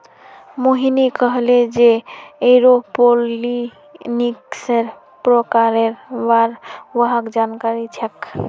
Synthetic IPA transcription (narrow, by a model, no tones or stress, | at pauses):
moɦinikəɦled͡ʒeeɾopoli | nikseɾ | pɾɔkaɾeɾbaɾwəɦakd͡ʒankaɾit͡ʃʰɛk